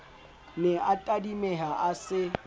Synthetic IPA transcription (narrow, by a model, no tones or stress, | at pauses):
nɛatʼadimɛɦaʔasɪ